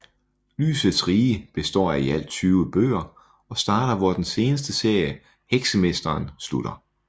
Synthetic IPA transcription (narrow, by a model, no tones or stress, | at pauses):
ly̰ːsð̩ˠsʁiːəb̥e̝sd̥ɒ̰ːæiæl̰t͡sʰyːʊəb̥ø̰ːɐ | ɒ̽sd̥ɑ̈ːɾ̥ɐʋɒd̥ense̝ːnəsd̥əse̝ɐ̰jə | heɡ̥səmesd̥ɐːnsluɾ̥ɐ